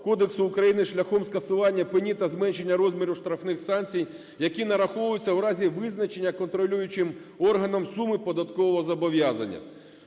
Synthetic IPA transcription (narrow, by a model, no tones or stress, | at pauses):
kɔd̪eksʊːkɾɐjinɪʃlʲɐxɔmskɐsʊʋɑnʲːɐpɪnʲit̪ɐzmɛnʃe̞nʲːɐɾɔzmʲiɾʊʃt̪ɾɐfnɪxsɑnt͡sʲij | jɐkʲinɐɾɐxɔʋʊjʊt͡sʲːɐwɾɑzʲiʋɪznɐt͡ʃe̞nʲːɐkɔnt̪ɾɔlʲujʊt͡ʃɪmɔrɦɐnɐmsumɪpɔd̪ɐt̪kɔʋɔɦɔzɐbɔʋʲjazɐ̰nʲːɐ̰